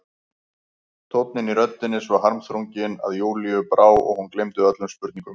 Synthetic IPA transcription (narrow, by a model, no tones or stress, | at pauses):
t̪ʰowt̪nɪniɾœt̪ːɪnːɪsvaɾɦaɾmθɾowɲcɪna̰ðjoːwliʏpɾaːwɔ̰ɣhunklejmt̪ʏœt̪lʏmspʏɾt̪niŋkʏm